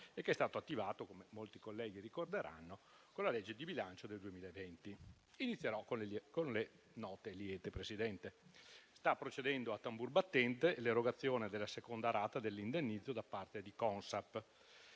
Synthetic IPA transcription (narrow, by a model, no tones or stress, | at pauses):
ekːeɛst̪aːt̪oat̪ːivaːt̪okomemolt̪ikolːɛːɡirikord̪eɾʔa̰nːo | konlaled͡ʒːed̪ibilant͡ʃod̪eld̪uemiːlaevɛnt̪i | init̪sːjeɾɔkokonle | nɔːt̪eljɛːt̪epɾesid̪ɛnt̪est̪apːɾot͡ʃed̪ɛnd̪oat̪ːamburbat̪ːɛnt̪eleɾoɡat̪sːjoːned̪elːasekond̪aɾaːt̪ad̪elːind̪enːid̪zːod̪apːart̪ed̪ikɔnsapː